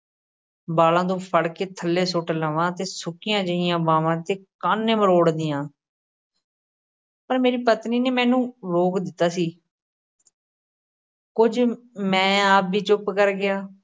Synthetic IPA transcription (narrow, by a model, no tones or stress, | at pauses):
baːlãːd̪õːpʰəɽkeːt̪ʰəlːeːsʊʈləʋãːt̪eːsʊkɪjãːd͡ʒəɪjãːbaːʋãːt̪eːkaːnːẽːməɾoːɽd̪ɪjãː | pəɾmeːɾiːpət̪niːneːmɛ̃ːnũːɾoːkd̪ɪt̪ːaːsiː | kʊd͡ʒ | mɛ̃ːaːp̚biːt͡ʃʊpkəɾɡɪjaː